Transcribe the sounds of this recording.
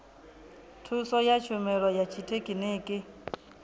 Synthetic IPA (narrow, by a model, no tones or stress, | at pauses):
tʰusɔjat͡ʃʰʊmɛɺɔjat͡ʃʰitʰekʼineːkʼɪ